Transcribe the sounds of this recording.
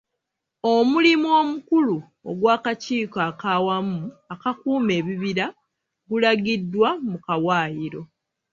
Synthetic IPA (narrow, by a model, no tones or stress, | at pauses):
o̞mulimuo̞ːmukulu | o̰ɡwaːkaciːkaːkaːwamuakakuːme̞ːβiβiɾa | ɡulaɡidːwamukawaːjiɾo̞